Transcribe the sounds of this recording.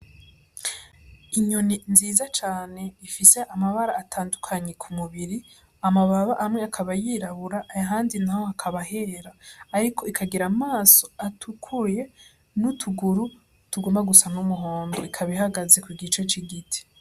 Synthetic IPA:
iɲoninziːzat͡ʃaːne̞ifise̞ʔamaβaɾaːtʰaːndukʰaɲe̞kʰumuβiɾi | amaβaβaʔamŋe̞akʰaβajiːɾaβuɾaʔːjaɦaːndinaho̞akʰaβaɦe̞ːɾaːɾikʰo̞ikʰaɡiɾamaːso̞atʰukʰuje̞ | nutʰuɡuɾu | tuɡomaɡusanumuɦo̞ːndo̞ikʰaβihaɡaze̞kwiɡit͡ʃe̞t͡ʃiɡitʰi̥

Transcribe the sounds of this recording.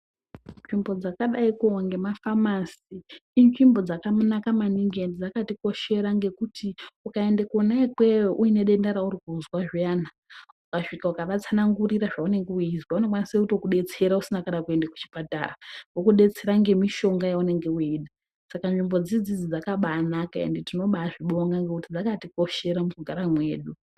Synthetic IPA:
nʐimbo̞d͡zakaɗaikuwaŋɡe̞mafamasiːnʐimbo̞d͡zakamunakamaniŋɡendid͡zakatiko̞ʃe̞ɾaŋɡe̞kutʰiukae̞ndekonaikwe̞oʔuine̞ɗendaɾauɾikuuzwaʐiaːna | ukaʂikaukaʋat͡sanaŋɡuɾiɾaʐaune̞ŋɡeuizwauno̞kwaniseuto̞kuɗe̞t͡se̞ɾausinakanakue̞ndaku̥t͡ʃi̥pata̰rawokuɗe̞t͡se̞ɾaŋɡe̞miʃo̞ŋɡajaune̞ŋɡe̞uiːɗa | sakanʐimbo̞d͡zid͡zid͡zid͡zakaɓaːnakaḛnditino̞ɓaːʐiɓo̞ŋɡaŋɡekutid͡zakatiko̞ʃe̞ɾamukuɡʱaɾamwe̞̰ːɗu

